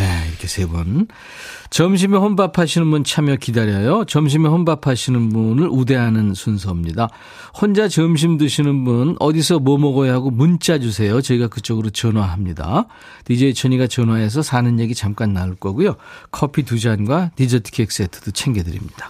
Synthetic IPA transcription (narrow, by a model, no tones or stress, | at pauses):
neiɾʌkʰe̞sʰe̞bun | t͡ɕʌmɕ̬ʰimehonpapʰaɕʰinɯnbunt͡ɕʰamjʌkidaɾjʌjot͡ɕʌmɕ̬ʰimehonbapʰaɕʰinɯnbunɯɾʔude̞ɦanɯnsʰunsʰʌmɲida | hwʌnd͡ʑat͡ɕʌmɕ̬ʰimdɯɕʰinɯnbunʌdis̬ʰʌmʌmʌɡʌjɦaɡomunt͡ɕ͈ad͡ʑusʰe̞jot͡ɕʌiɡakɯt͡ɕ͈ʌɡɯɾot͡ɕʌnwaɦamɲida̰ | tid͡ʑeit͡ɕʰʌɲiɡat͡ɕʌnwaɦe̞s̬ʰʌsʰanɯnje̞ɡit͡ɕamk͈anːaɭk͈ʌɡujokʰʌpʰitud͡ʑanɡwatid͡ʑʌtʰkʰek̚s͈etʰɯ̥d̥ot͡ɕʰe̞ŋɡedɯɾḭmɲid̥ḁ